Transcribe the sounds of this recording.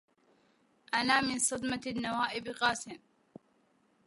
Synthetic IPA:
ʔanaːmɪnsˤɑd̪mɑnːawaːʔɪbqɑːsɪm

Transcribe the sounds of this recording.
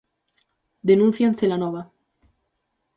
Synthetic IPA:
d̪enũnθjanθelanoβa

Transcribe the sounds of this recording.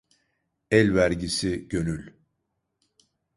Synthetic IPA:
ɛlʲvæɾɟisiɟ̥ø̞nylʲ

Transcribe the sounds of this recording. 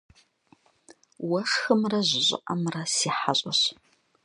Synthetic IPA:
wɐʂxɨmrɐʑʷɪɕʼɪ̰ʔɐmrɐsiːħaɕʼɐɕ

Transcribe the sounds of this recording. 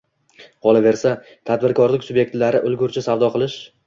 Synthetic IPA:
qɒlˠave̞ɾsa | t̪ʰad̪̚bɪɾkʰɒɾlɪkʲsʊbje̞k̚t̪laɾɪʔʊlˠɡʲʊɾt͡ʃʰɪsavd̪ɒqʰɨlˠɪʃ

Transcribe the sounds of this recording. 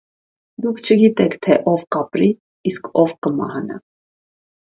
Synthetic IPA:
d̪ukʰt͡ʃʰəɡit̪ɛkʰt̪ʰɛʔɔvkɑpɾiː | skʰɔvkəmɑ̰hɑnɑ̰

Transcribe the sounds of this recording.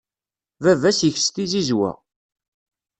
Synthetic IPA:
vævæsjəç̥st̪izizwæ̰

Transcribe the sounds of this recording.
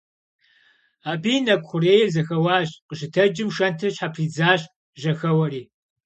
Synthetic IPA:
aːbiːnɐkʷʼχʷʊreːjɛzɐxɐwɑːɕqəʃɪtʰɐd͡ʒɪmʃɐntʰɨɕħapʰriːd͡zaːɕʼ | ʒɐxɐwɐriː

